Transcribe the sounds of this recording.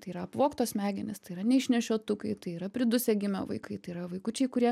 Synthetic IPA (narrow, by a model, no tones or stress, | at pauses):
t̪ɐɪiːɾɐɐpʋoːkt̪oːsmʲæːɡʲɪnʲɪst̪ɐɪiɾɐnʲɛɪʃʲnʲɛʃʲoːt̪ʊkɐɪt̪ɐɪiːɾɐpʲɾʲɪd̪ʊsʲɛɡʲɪmʲo̰ʋɐ̰ɪkɐɪt̪ɐɪiːɾɐʋɐɪkʊt͡ʃʲɛɪkʊɾʲiɛ